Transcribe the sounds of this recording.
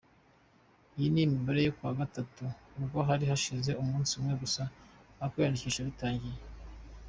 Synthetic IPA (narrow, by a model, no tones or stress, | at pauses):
ijinimiβaɾe̞jokwaːɡatatuːbɡo̞ɦaɾiɦaʃize̞umũːnsumŋe̞ɡusaakwejandiciʃaβitaːɲɟije